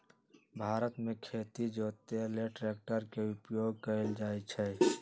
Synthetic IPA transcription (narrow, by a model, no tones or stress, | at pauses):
bʱaːɾət̪mẽkʰeːt̪id͡ʒoːt̪eleʈɾeːk̚ʈəɾkeʊpjoɡkəeld͡ʒaːet͡ʃʰɛ